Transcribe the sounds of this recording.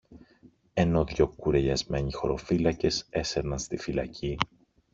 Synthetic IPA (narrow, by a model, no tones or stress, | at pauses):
e̞no̞ðʝo̞kuɾe̞ʎɐzme̞ɲixo̞̰ɾo̞̰filɐce̞se̞seɾnɐnst̪ifilɐ̰cʰi